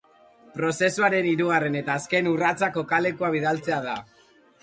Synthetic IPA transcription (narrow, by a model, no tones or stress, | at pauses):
pɾo̞se̞suaɾe̞niɾuɣ̞are̞ne̞t̪aːske̞nurat͡sako̞kale̞kuaβiðalt͡se̞aða